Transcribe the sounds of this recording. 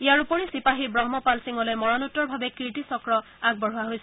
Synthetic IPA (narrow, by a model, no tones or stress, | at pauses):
ijaɹupɔɹisipaɦibɹɔɦmɔpalsiŋɔlojmɔɹanutːɔɹbʱabɛkiʈisɔkɹɔ | aɡ̚bɔɦuwaɦojsɛ